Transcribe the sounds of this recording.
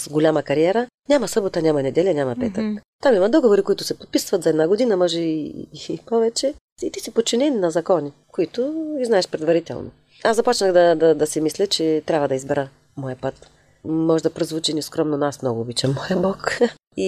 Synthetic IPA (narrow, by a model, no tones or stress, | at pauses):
sɡolʲamɐkɐɾiɛɾə | nʲamɐsɤbot̪ɐnʲamɐnɛd̪ɛlʲɐnʲamɐpɛt̪əkt̪amimɐd̪ɔɡovoɾikoʊit̪ʊ̥sɛpot̪̚pisvɐt̪zɐɛd̪naɡʊd̪inɐmɔʒɛḭpɔvɛt͡ʃɛ | it̪isipot̪̚t͡ʃːinɛninɐzɐkɔnikoit̪ʊiznaɛʃpɾɛd̪vɐɾit̪ɛ̰lˠnʔo̰ | aszzɐpɔt͡ʃnəxd̪ɐd̪ɐd̪ɐsɛmislʲɛt͡ʃɛt̪ɾʲabvɐd̪ɐizbɛɾə | mɔjɐpət̪ | mɔʒɛd̪ɐpɾozvut͡ʃiniskɾɔmnonasmnɔɡʊːbit͡ʃɛmːɔjɐbɔk | i